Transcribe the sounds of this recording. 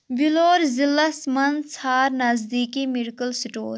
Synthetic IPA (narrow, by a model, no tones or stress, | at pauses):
biloːɾzilːasmɐnsaːɾnɐzd̪iːkimɪɾkəlsʈo̰ːɾ